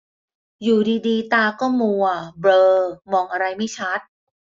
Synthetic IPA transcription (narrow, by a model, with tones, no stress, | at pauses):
juː˨˩diː˧diː˧t̪aː˧kɔː˥˩mu˧ɐbɾɤː˧mɔː˧ŋʔa˧ɾa˧jma˥˩jt͡ɕʰa˦˥t̪̚